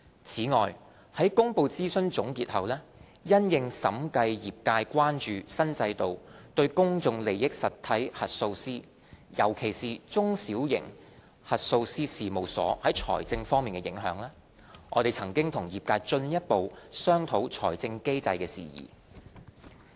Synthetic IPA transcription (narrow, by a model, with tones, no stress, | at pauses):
t͡sʰiː˨˥ŋɔː˨˩j | hɐ˨˥jkʊ˥ŋpo˧wt͡siː˥sɵ˥nt͡ʃʊ˨˥ŋkiː˧t̚hɐ˨wlɛː˥ | jɐ˥njɪ˨˧ŋsɐ̰˨˥mkɐ˧jjiː˨p̚kaː˧jkwaː˥nt͡ʃyː˨sɐ˥nt͡sɐ˧jt̪o˨wt̪ɵ˧ɥkʊ˥ŋt͡sʊ˧ŋle˨˩jːɪ˥k̚sɐ˨t̪ʰːɐ˨˥jhɐ˨t̚so˧wsiː˥ | jɐ̰˨˩wkʰe˨˩jsiː˨˩t͡sʊ˥ŋsiː˨˥wjɪ̰˨˩ŋ | hɐ˨t̚so˧wsiː˥siː˨˩mo˨˩wsɔ̰ː˨˥hɐ˨˥jt͡ʃʰɔ̰ː˨˩jt͡sɪ˧ŋfɔː˥ŋmiː˨˩kɛ˧jɪ˨˥ŋɦœ̰ː˨˥ŋlɛː˥ | ʔɔ̰ː˨˧t̪e˨jt͡sʰɐ˨˩ŋkɪ˥ŋt̪ʰʊ˨˩ŋjiː˨p̚kaː˧jt͡ʃɵ˧njɐ˥t̚po˨˧wsœː˥ŋt̪ʰo˨˥wt͡ʃʰɔ̰ː˨˩jt͡sɪ˧ŋke˥jt͡sɐ̰˧jkɛː˧sḭː˨jḭː˨˩